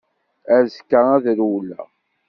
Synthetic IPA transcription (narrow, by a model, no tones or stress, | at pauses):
æɾzkːææðɾwlːæ̰